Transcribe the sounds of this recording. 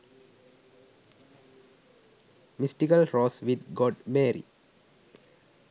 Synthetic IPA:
misʈikəlɾɔːsʋid̪ɡoːɖmeːɾḭ

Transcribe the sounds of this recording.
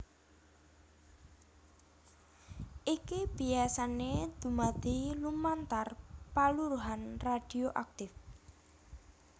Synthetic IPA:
ʔikib̥iasaned̪̥ṳmad̪ilumant̪arpaluɾuɦanrad̪̥i̤oʔak̚t̪ɪf

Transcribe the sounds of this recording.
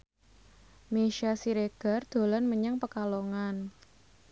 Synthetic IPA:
meʃasiɾeɡ̥a̤rd̪̥o̤lɔnməɲaŋpəkaloŋan

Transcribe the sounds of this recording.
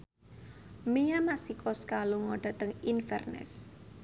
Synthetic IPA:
mejamasikɔskaluŋɔɖ̥a̤t̪əŋinfɛ̰rnɛ̰s

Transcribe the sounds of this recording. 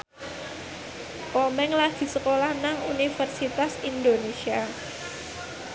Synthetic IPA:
komɛŋlad̪̥i̤səkolahnaŋunifərsit̪asind̪onesia

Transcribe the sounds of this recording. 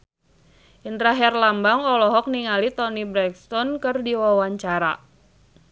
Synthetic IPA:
ʔind̪ɾaɦɛrlambaŋɔlɔɦɔk̚niŋalit̪ɔnibɾɛkst̪ɔnkɨrdiwawaɲt͡ʃaɾa̰

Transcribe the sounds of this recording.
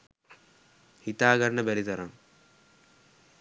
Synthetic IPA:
hit̪aːɡɐɾɳɐbelit̪ɐɾɐm

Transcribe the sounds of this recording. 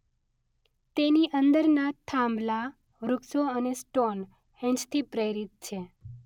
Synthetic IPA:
t̪eniʔənd̪əɾnat̪ʰãmbla | ɾʊksoənesʈon | ẽɲd͡ʒt̪ʰipɾejɾit̪̚t͡ʃʰe

